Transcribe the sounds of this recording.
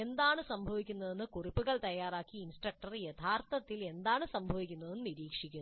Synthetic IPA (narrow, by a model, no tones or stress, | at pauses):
e̞nd̪aːɳɨsɐmbʱɐʋikʲːunːɐðenːɨkuripːuɣɐɭt̪ɐjːaːɾaːkːiːnsʈrɐk̚ʈɐrjɐt̪ʰaːrt̪ɐt̪ːile̞nd̪aːɳɨsɐmbʱɐʋikʲːunːɐðenːɨniɾiːkʂikʲːunː